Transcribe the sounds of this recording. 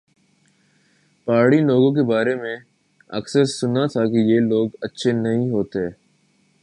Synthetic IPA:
paːɽiloːɡõk̬ebaːɾemẽ | ɐ̰ksəɾsʊnat̪ʰakijeloːɡɐtːʃʰenɐɦĩɦoːt̪eɛː

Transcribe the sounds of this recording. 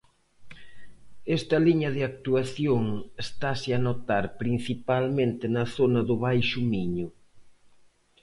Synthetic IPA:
ɛst̪ɐliɲɐðɪak̚t̪uaθjoŋest̪asɪanot̪aɾpɾin̟θipalmẽnt̪ɪnɐθonɐðʊβajʃʊmiɲʊ

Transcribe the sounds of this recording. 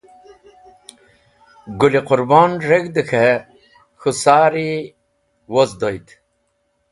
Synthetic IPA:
ɡuliqʊɾbɑːnɾeɡd̪əxʰe | xusaːɾi | wozd̪ojt̪

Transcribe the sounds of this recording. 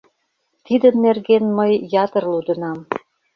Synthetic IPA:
t̪id̪ənːerɣenməjjɑt̪ərlud̪ə̆nɑm

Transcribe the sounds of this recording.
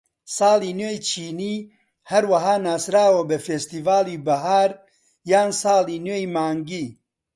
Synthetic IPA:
sɑːliːnweːjt͡ʃʰiːniː | hɐɾwɐɦaːnaːsɾaːwɐbɐfeːst̪iːvaːliːbɐɦaːɾ | jaːnsɑːliːnweːjmaːŋɡiː

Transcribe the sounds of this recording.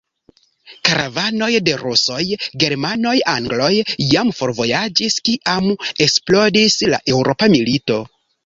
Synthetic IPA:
kaɾʔavano̞jde̞ɾuso̞jɡe̞ɾmano̞jaŋɡlo̞jjamfo̞ɾvo̞jad͡ʒiskiʔame̞ksplodisla̰ʔe̞wɾo̞pamilito̞

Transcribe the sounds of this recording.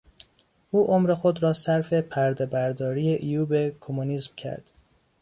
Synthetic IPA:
ʔuːʔomɾe̞xo̞d̪ɾɒːsæɾfe̞pʰæɾd̪e̞bæɾd̪ɒːɾije̞ʔijuːbe̞kʰomuniːzmcʰæ̰ɾd̪̥

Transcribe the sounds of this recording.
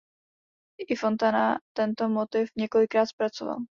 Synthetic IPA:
ʔɪfo̞nt̪anat̪ɛnt̪omot̪ɪfɲɛko̞lɪkɾaːt̪spɾat͡sova̰l

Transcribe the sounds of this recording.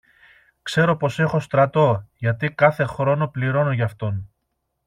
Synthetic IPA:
kse̞ɾo̞po̞se̞xo̞st̪ɾɐt̪o̞ʝɐt̪ikɐθe̞xɾo̞no̞pliɾo̞noʝɐft̪o̞n

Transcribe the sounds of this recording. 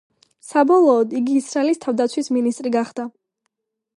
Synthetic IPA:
sabɔlˠɔːd̪iɡiːsɾaɛlist̪ʰavd̪at̪sʰwisminist̪ʼɾiɡaχd̪̥a

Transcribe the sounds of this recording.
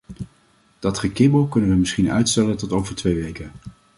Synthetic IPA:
d̥ɑtχəkɪbəlˠkɵnənʋəmɪsχinœ̰ɥtstɛləntɔtowvəɹtʋejʋejkən

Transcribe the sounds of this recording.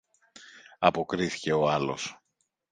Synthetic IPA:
ɐpo̞kɾiθi̥ce̞o̞ɐlo̞̰s

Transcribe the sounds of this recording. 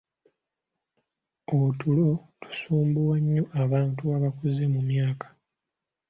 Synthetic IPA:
otulo̞tʰu̥suːmbuwaɲːoʔaβaːntuaβakuzemumjaːkḁ

